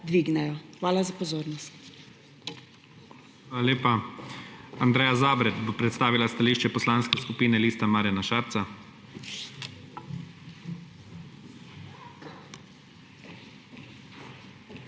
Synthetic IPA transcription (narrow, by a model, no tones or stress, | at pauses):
d̪ʋiːɡnɛjɔxʋaːlazapɔzoːɾnɔst̪ | x | aːlaleːpa | and̪ɾɛːjazaːbɾɛt̪bopɾɛt̪st̪aːʋilast̪aliːʃt͡ʃɛpɔslanskɛskupiːnɛliːst̪amaːɾjanaʃaːɾt̪sa